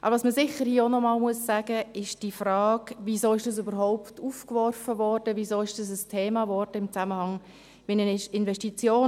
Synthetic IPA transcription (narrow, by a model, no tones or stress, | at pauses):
ʔɑ̰bvɑsməsɪχəɾhiəɔnɔmɑːlmuəsːæːɡ̥əɪʃd̥ifrɑːɡvizoːɪʃd̥ɑs̬ybəɾɦɔʊptufkvɔrfəvɔrd̥əvisoːɪʃd̥ɑs̬əstʰeːmɑvɔrd̥əɪmt͡saməhɑŋ | ʋinənɪʃɪnvɛstit͡sjoː